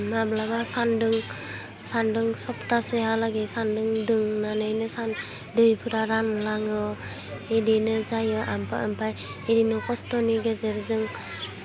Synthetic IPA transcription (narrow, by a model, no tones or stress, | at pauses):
mablabasandɯŋ | sandɯŋsɔptasehalaɡesandɯŋdɯŋnanɯjnɯsan | dɯjpʰɯɾaɾanlaŋɯ | edinɯzajɯʔampʰa̰ʔɯmpʰaj | edinɔkɔstɔniɡezeɾzɯŋ